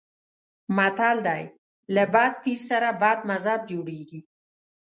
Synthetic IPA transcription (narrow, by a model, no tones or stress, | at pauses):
mat̪ald̪aj | labɑd̪̚p̪iɾsaɾabɑd̪̚mazab̚d͡ʒoɽeɡi